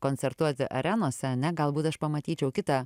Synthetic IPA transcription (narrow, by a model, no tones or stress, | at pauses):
koːnʲt͡ssʲɛɾt̪uɔt̪ʲɪʔɐ̰ɾʲænoːsʲɛɐnʲɛɡɐlˠbuːt̪ɐʃpɐmɐt̪ʲiːt͡ʃʲɛʊkʲɪt̪ɑ